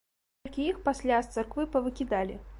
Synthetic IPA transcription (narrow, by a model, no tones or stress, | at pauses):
lʲkʲiixpasʲlʲast̪sɨrkvɨpɐvɨkʲid̪alʲi